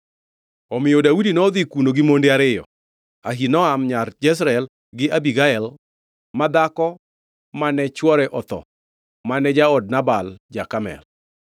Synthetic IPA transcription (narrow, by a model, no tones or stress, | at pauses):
ɔmɪjodaudinɔd̪ikunoɡɪmondɪaɾɪjɔ̰ | aɦinɔamɲard͡ʒɛs̬ɾɛl | ɡɪʔabiɡaɛl | mad̪akɔ | manɛt͡ʃwɔɾɛʔɔt̪ɔ̰ | manɛd͡ʒaɔd̚nabald͡ʒakamɛ̰l